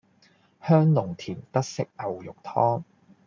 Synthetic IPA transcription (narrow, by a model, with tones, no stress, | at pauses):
hœː˥ŋlʊ˨˩ŋt̪ʰiː˨˩nt̪ɐ˥k̚sɪ˦˥k̚ʔɐ˨wjʊ˨k̚t̪ʰɔː˥ŋ